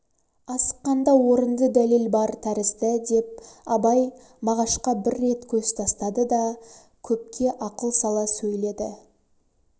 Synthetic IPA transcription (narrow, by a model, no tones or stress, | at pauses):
ɑsə̥qːɑnd̪ɑwo̞ɾənd̪əd̪ælelbɑɾt̪ʰæɾɪzd̪ɪd̪e̞p̚ɑbɑj | mɑʁɑʃqɑbɪɾːe̞t̪kʲʰɵst̪ʰɑst̪ɑd̪əd̪ɑ | kʲʰɵp̚kʲe̞ʔɑqəlˠsɑlˠɑsɵjle̞d̪ɪ